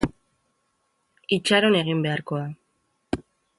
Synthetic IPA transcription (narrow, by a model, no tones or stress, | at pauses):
it͡ʃaɾo̞ne̞ɣ̞imbe̞aɾko̞a